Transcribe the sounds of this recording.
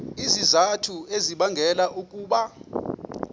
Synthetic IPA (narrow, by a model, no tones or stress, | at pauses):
izizatʰueziɓaŋɡʱɛlaʔukʼuːɓa